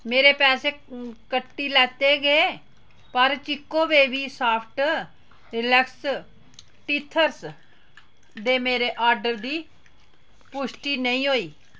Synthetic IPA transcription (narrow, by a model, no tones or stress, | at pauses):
meːɾeːpɛːseːkəʈːiːlɛːt̪eːɡeː | pəɾt͡ʃɪkːõːʋeːʋiːsaːpʰʈ | ɾɪləks | ʈiːt̪ʰːəɾs | d̪eːmeːɾeːʔaːɾɖəɾd̪iː | pʊʃʈiːnəĩːɦoːiː